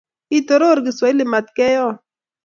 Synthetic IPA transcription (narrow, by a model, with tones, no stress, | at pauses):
i˦t̪o˨ɾo˦˨ɾɡi˨swa˨i˦lɪ˨ma˨t̪̚kɛ˦jɔ˦˨